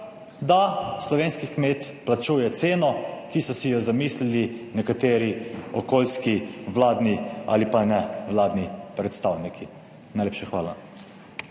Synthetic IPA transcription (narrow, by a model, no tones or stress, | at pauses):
d̪aslɔʋeːnskikmeːt̪plat͡ʃujɛt̪seːnɔkisɔsijɔzamiːslilinɛkat̪eːɾiɔ̰koːlskiʋlaːd̪nia̰lipanɛʋlaːd̪nipɾɛt̪st̪awnikʰi | najleːpʃaxʋaːla